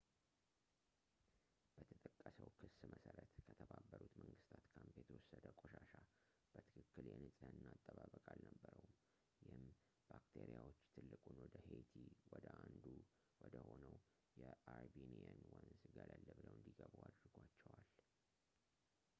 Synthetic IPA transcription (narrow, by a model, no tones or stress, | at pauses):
b̥ət̪ʰət̪ʼəkʼːəsəwkʰɨsməsəɾət̪kʰət̪ʰəβabːəɾut̪məŋɡɨst̪ʰat̪kʰəmpʰet̪ʰɾoɔsəd̪əkʼoʃaʃa | b̥ət̪ʰɨ̥kʰɨkːɨljɛnɨsʼɨnːat̪ʼːəβaβəkʼalnəbːəɾəwm | jɪhɨm | bakt̪ʰeɾijawo̞t͡ʃːt̪ʰɨlːɨkʼunwɔd̪əhet̪ʰiwɔd̪əʔand̪u | wɔd̪əho̞nəw | jɛaɾbinianwɔnsɨɡalalːəβːəwɨnd̪iɡəβuad̪ɾɨɡʷat͡ʃːɛwal